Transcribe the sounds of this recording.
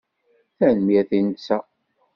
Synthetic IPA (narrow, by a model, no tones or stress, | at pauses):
θænəmjæθinət͡sːæ